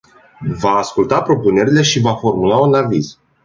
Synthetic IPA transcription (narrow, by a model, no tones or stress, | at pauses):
vaːskult̪apɾo̞pune̞ɾile̞ʃivafo̞rmulaunaviz̥